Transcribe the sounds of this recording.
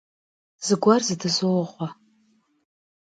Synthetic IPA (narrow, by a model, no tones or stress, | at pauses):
z̥ɨɡʷarzɨdɨzowʁʷa